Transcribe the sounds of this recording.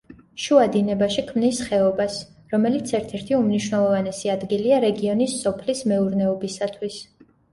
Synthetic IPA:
ʃuad̪inɛbaʃikʰmnisχɛɔbas | ɾɔmɛlit̪sʰɛɾt̪ʰɛɾt̪ʰiumniʃwnɛlˠɔvanɛsiad̪ɡiliaɾɛɡiɔnisːɔpʰlismɛuɾnɛɔbisat̪ʰwis

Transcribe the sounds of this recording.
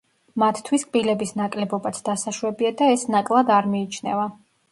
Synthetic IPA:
mat̪ʰt̪ʰwiskʼbilɛbisnakʼlɛbɔbat̪sʰd̪̥asaʃwɛbiad̪aɛsnakʼlˠad̪aɾmiːt͡ʃʰnɛ̰va

